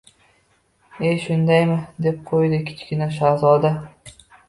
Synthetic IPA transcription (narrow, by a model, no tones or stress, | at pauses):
eʃʊnd̪ajmɪd̪e̞p̚qʰojd̪ɪkʲʰɪ̥t͡ʃkʲɪnaʃ̬azɒd̪a